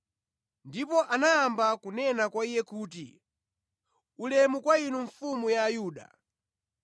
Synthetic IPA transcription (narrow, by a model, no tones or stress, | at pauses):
ndipɔʔanaːmbakunɛnakwaijɛkuːtḭ | ulɛmukwainuɱ̩fumujaːjuːɗa̰